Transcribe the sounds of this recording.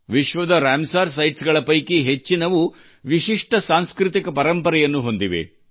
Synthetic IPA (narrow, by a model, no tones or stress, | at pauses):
ʋiʃʋɐd̪ɐɾaːmsaːɾs̬ɐjʈsɡɐɭɐpɐjkiɦet͡ʃːinɐʋu | ʋiʃiʂʈɐsaːnskɾɨt̪̬ikɐpɐɾɐmpɐɾɛjɐnːuɦo̞nd̪iʋḛ